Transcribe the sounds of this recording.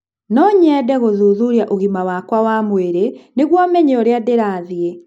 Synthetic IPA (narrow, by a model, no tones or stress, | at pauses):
nɔɲɛːdɛɣoðuːðuɾjaʔoɣimawakwawamweɾeneɣwamɛɲeɔɾeadeɾaːðje